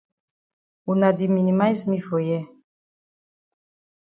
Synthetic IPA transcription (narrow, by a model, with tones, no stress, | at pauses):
u˨na˨di˨mi˨ni˨ma˦jsmi˦fo˨jɛ˦